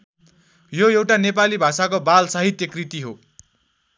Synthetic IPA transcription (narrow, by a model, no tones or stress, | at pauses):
joewʈanepalibʱasakobalsaɦit̪jʌkrit̪iɦo